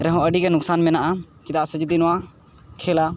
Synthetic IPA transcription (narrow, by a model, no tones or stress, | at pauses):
ɾɛɦɔ̃əɖikɛnʊksaːnmɛ̃naʔakɪt̪aːsəd͡ʒd̪inʊa | kʰeːla